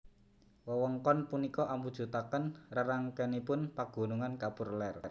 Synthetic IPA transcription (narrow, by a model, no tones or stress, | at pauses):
wəwɔŋkɔnpunikɔʔamud̥ʒ̥ṳt̪akənraɾaŋkɛnipʊnpaɡ̥o̤nuŋankapurlɛrr